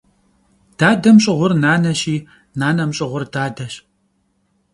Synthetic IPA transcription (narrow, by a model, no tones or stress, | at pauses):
d̥aːdɐmɕʼɪʁʷʊrnaːnɐɕiː | naːnɐmɕʼɪʁʷʊrdaːdɐɕ